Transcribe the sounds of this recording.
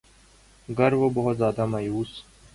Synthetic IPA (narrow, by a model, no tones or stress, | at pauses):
ɡɐɾʋobɐɦʊt̪zjaːd̪amaːjuːs